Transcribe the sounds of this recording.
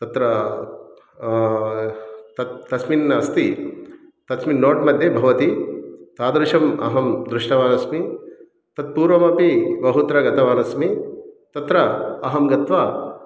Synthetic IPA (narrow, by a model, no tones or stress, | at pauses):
t̪ɐt̪ɾɐ | t̪ɐt̪ːɐsminɐɐst̪i | t̪ɐsminːoːʈmɐd̪ʱjebʱɐʋɐt̪it̪aːd̪ɾuʂɐmɐ̰ɦɐmd̪ɾuʂʈɐʋaːnɐsmi | t̪ɐt̪̚puːɾʋɐmɐpibɐɦut̪ɾɐɡɐt̪ɐʋaːnɐsmit̪ɐt̪ɾɐɐɦɐmɡɐt̪ʋaː